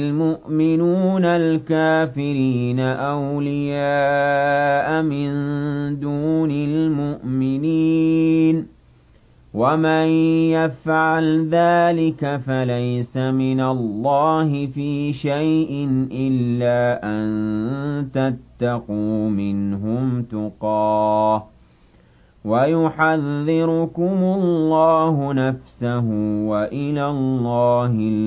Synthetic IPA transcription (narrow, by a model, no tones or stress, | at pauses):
lmʊʔmɪnuːnalkaːfɪɾiːnaʔawlɪjaː | ʔamɪnd̪uːnalmʊʔmɪniːn | wamajjafʕalðaːlɪkafalajsamɪnalˤːɑːhɪfiːʃajʔɪnʔɪlːaːʔant̪at̪ːɑquːmɪnɦʊmt̪ʊqɑː | wajʊħaðːɪɾʊkʊmʊllːɑːɦʊnafsaɦʊwaʔɪlalːɑːhɪ